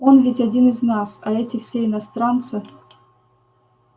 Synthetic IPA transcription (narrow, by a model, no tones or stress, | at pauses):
onvʲɪtʲadʲinɨznasaɛtʲɪfsʲeɪnast̪ɾant̪sɨ